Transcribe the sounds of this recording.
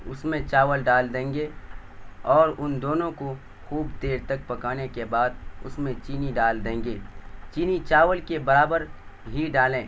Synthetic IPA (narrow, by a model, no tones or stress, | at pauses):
ʊ̰smẽt͡ʃaːʋəlɖaːld̪ẽːŋɡe | ɔːɾʊnd̪oːnõko | xuːbd̪eːɾt̪ɐk̚pɐkaːnekebaːd̪̚ʊ̰smẽt͡ʃiːniɖaːld̪ẽːŋɡeːt͡ʃiːnit͡ʃaːʋəlkebɐɾaːbəɾɦiɖaːlẽː